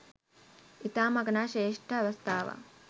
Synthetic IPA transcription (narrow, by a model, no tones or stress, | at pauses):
it̪aːmɐɡɐnaːʃeːʂʈʰəːʋɐst̪ʰaːʋa̰